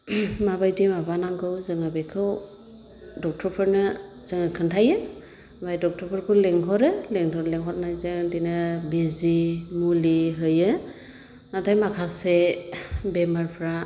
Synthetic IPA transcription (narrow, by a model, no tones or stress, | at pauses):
mabajdimabanaŋɡɯwzɯŋabekʰɯw | dɔk̚tʰɔɾpʰɯɾnɯ | zɯŋakʰɯntʰajɯ | bajdɔk̚tʰɔpʰɯɾpʰɯleŋɦɔɾɯleŋtʰɔɾleŋɦɔɾnajzɯŋdinɯbizimuliɦɯjɯ | natʰajmakʰase | bemaɾpʰɾa